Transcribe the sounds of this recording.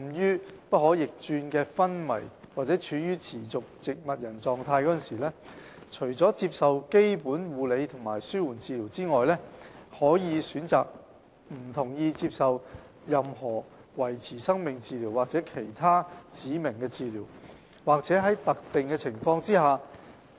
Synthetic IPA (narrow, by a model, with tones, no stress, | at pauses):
jyː˥pɐ˥hɔː˨˥jɪ˨k̚t͡ʃyː˧nkɛː˧fɐ˥nmɐ̰˨˩jwaː˨k̚t͡sɛː˨˥t͡ʃʰyː˨˥jyː˥t͡sʰiː˨˩t͡sʊ˨k̚t͡sɪ˨k̚mɐ˨t̚jɐ˨˩nt͡sɔː˨˧ŋt̪ʰaː˧jkɔː˨˥ə˨nsiː˨˩lɛː˥t͡ʃʰɵ˨˩ɥt͡sɔː˨˥t͡siː˧p̚sɐ˨wke˥jpuː˨˥nwuː˨˧le˨˧jt̪ʰʊ˨˩ŋmaː˨˩jsyː˥wuː˨˩nt͡siː˨˧li˨˩wt͡siː˥ŋɔː˨jlɛː˥hɔː˨˥jiː˨˧syː˨˥nt͡saː˨k̚ | m̩˨˩t̪ʰʊ˨˩ŋjiː˧t͡siː˧p̚sɐ˨w | jɐ˨mɦɔː˨˩ | wɐ˨˩jt͡sʰiː˨˩sɐ˥ŋmɪ˨ŋt͡siː˧liː˨˩wːaː˨k̚t͡sɛː˨˥kʰe˨˩jt̪ʰaː˥t͡siː˨˥mɪ˨˩ŋkɛː˧t͡siː˧liː˨˩w | waː˨k̚t͡sɛː˨˥ɦɐ˨˥jt̪ɐ˨k̚t̪ɪ˨ŋkɛː˧t͡sʰɪ˨˩ŋfɔː˧ŋt͡siː˥ɦaː˨